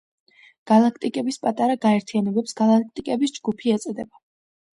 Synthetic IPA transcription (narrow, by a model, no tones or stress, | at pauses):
ɡ̥alˠakʰt̪ʼikʼɛbispʼat̪ʼaɾaɡaɛɾt̪ʰijanɛbɛpsɡalˠak̚ʰt̪ʼikʼɛbisd͡ʒɡupʰiɛt̪sʼd̪ɛba